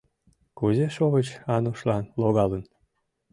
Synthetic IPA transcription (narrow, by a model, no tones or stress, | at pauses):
kuzeʃoβət͡ɕɑnuʃlɑnloɣɑlən